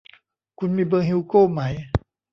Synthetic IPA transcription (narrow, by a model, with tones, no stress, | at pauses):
kʰu˧nmiː˧˥bɤː˧ŋɦi˧koː˥˩ma˦j